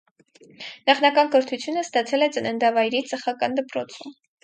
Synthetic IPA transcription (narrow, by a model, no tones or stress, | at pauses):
nɑχnɑkɑnkəɾt̪ʰut͡sʰjunəst̪ɑt͡sʰɛlɛt͡sənɛnd̪ɑvɑjɾit͡səχɑkɑnd̪əpɾɔt͡sʰum